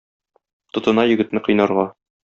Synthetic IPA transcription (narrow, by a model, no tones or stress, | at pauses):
t̪ŏt̪ɤ̆nɑjɵ̆ɡɘ̆t̪nɘqɤ̆jnɑɾʁɑ